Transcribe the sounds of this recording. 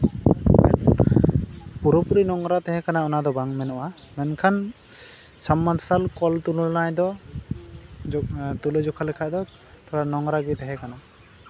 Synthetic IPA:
mɛ̰n | puɾɔpuɾinɔŋɾat̪ɛɦɛkanaɔnad̪ɔbaŋmɛnɔʔa | mɛnkʰan | samːad̪salkɔlt̪unulnajd̪ɔ | t̪uled͡ʒɔkʰalɛkʰajd̪ɔ | t̪ɔɾanɔŋɾaɡit̪ɛɦɛkana

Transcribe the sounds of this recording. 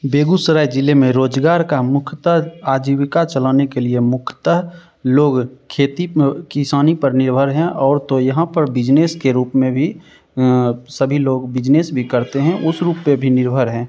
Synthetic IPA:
beːɡusəɾaːjd͡ʒɪlemẽɾoːd͡ʒɡaːɾkamʊkʰt̪əɦaːd͡ʒiwɪkat͡ʃəlaːnekeliemʊkʰt̪əɦ | loːɡkʰeːt̪ikɪsaːnipəɾnɪɾbʱəɾɦɛ̃ʔɔːɾt̪ojɐɦãpəɾbɪd͡ʒneːskeɾuːpmẽbʱi | səbʱiloːɡbɪd͡ʒneːsbʱikəɾt̪eɦɛ̃ʔʊsɾuːpːebʱinɪɾbʱəɾɦɛ̃ː

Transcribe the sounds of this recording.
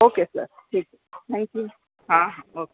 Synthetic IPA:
okesə̰ɾʈʰik̚ | t̪ʰæ̃ŋkju | ɦãɦãoke

